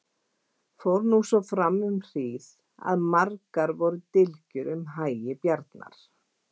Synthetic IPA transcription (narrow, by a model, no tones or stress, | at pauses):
fowɾnusɔfɾamːʏmr̥iːθ | a̰ðmaɾkaɾvɔɾʏt̪ɪlcʏɾʏmɦaːjjɪpjaɾt̪na̰ɾ̥